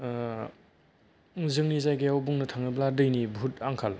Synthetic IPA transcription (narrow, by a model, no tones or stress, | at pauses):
zɯŋnizajɡejawbuŋnɐtʰaŋnɯbladɯjnibʱutaŋkʰal